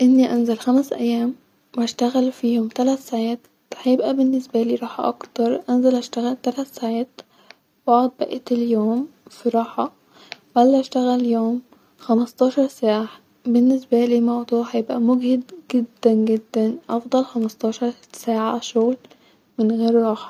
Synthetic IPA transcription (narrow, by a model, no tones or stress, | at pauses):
ʔɪnːiʔænzælxæmsʔæjːæːm | wæʃt̪æɣælfiːhomt̪ælæt̪saʕæːt̪ | hæjebʔæbenːesbæliːɾˤɑːħɑ̰ʔɑkt̪ɑɾˤʔænzælʔæʃt̪æɣælt̪ælæt̪saːʕæːt̪ | bɑʕd̪̚ˤbæ̰ʔeːt̪eljoːmfiɾˤɑːħɑ | bælːhæʃt̪æɣæljoːm | xæmɑst̪ˤɑːʃɑɾˤsaːʕa | benːes̬bæliːmɑwd̪ˤuːʕħajebʔæmoɡhed̪ɡed̪ːænɡed̪ːænʔɑfd̪ˤɑlxɑmɑst̪ˤɑːʃɑɾˤsaːʕaʃoɣl | mɪnɣeːɾɾˤɑːħɑ̥